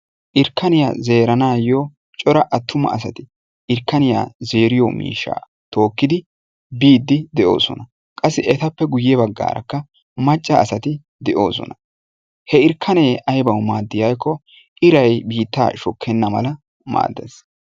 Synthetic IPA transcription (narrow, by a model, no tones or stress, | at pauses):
ʔɪɾkʰːɐnɪja̰ːze̞ːɾɐnaːjoː | t͡ʃʼɔɾɐʔɐt̪ːʊmɐ̰ːsɐt̪ɪ | ɪɾkːɐnɪja̰ːze̞ːɾɪjo̰mḭːʃːa̰ː | t̪o̞ːkːɪd̪ɪ | biːd̪ːɪd̪ɛʔo̰ːsɔ̰nɐ | kʼɐsːɪʔɛt̪ɐpːɛɡʊjːɛbɐɡːa̰ːɾɐ̰kːɐ | mɐt͡ʃʼːɐːsɐt̪ɪ | d̪ɛʔo̞ːs̬ɔ̰nɐ | hɛɪɾkʰːɐneːʔɐjbɐwmaːd̪ːɪjajkːɔ | ʔɪɾɐjbiːt̪ːa̰ːʃɔkʰːɛnːɐmɐ̰lɐ | ma̰ːd̪ːḛs